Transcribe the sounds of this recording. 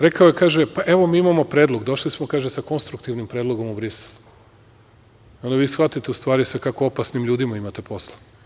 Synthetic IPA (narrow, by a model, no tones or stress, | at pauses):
ɾe̞kaojekaːʒepaʔeʋo̞miːimamo̞pɾeːd̪lo̞ɡd̪o̞ʃlismokaːʒesako̞nst̪ɾukt̪iʋnimpɾed̪lˠo̞ɡo̞mubɾiselu | io̞nd̪aʋiːsxʋat̪it̪e̞ust̪ʋaːɾisakako̞o̞pasnimʎuːd̪imaimat̪e̞po̞slˠa